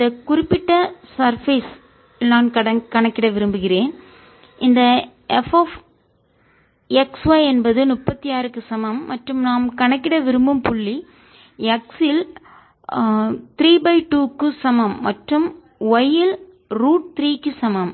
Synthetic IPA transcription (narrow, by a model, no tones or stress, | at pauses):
ɪnd̪ɐkʊɾɪpːɪʈːɐsɐɾfiːs | naːnkɐɽɐkɐɳɐkːɪɽɐʋɪɾɯmbɯɣɪɾeːn | ɪnd̪ɐ | ʔɛfoːf | ɛksʋɐɪɛnbɐðɯnʊpːɐt̪ːijaːɾɯkːɯsɐmɐmːɐʈrɯmnaːmkɐɳɐkːɪɽɐʋɪɾɯmbɯmpʊɭːi | ɛksɪl | t̪ɪɾiːbɐɪʈuːkːɯsɐmɐmːɐʈrɯm | ɐjɪl | ɾuːʈ̚t̪ɪɾiːkːɯsɐmɐm